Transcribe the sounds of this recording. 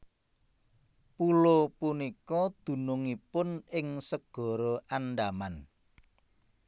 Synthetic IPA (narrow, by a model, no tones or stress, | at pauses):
pulopunikɔd̪̥ṳnʊŋipʊnɪŋsəɡ̥ɔ̤ɾɔʔanɖaman